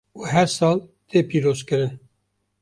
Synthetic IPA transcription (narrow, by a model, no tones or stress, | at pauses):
uːɦɛɾsɑːlt̪ʰeːpʰiːɾoːzkɨɾɨn